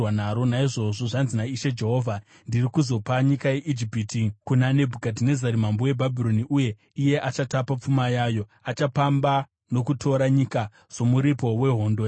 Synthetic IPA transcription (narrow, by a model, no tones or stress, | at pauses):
wanaɾo̞naiʐo̞ʐo̞ʐanzinaiʃe̞d͡ʒe̞ɦo̞ːvʱa | ndirikuzo̞paɲikaje̞ʔid͡ʒipiːtikunane̞bʱukadine̞zaɾimambowe̞bʱabʱiɾo̞niʔuje̞ | ije̞ʔat͡ʃatapap͡fumajaːjo̞at͡ʃapamba | no̞kutʰo̞ɾaɲika | z̥o̞muɾipo̞we̞ɦo̞ːndo